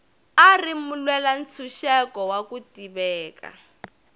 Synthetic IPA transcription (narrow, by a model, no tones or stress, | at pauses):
arimulwɛlan̩t͡sʰuʃɛkɔwakutiβɛːka̰